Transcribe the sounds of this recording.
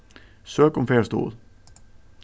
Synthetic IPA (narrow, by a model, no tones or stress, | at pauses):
søːkʊmfeːɹst̪ṵːd̪